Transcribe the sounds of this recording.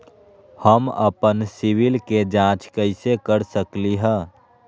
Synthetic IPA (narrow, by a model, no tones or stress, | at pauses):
həmə̰pənsɪʋɪlked͡ʒãːt͡ʃkəɪsekəɾsəkliɦɛ̃ː